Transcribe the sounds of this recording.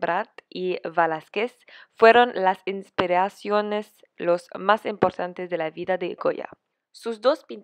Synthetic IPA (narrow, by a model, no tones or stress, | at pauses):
bɾat̪iβalaskes | fweɾonlasinspiɾasjones | losmasimpoɾt̪ant̪ezðelaβiðad̪eɡo̰ja̰ | suzd̪ospin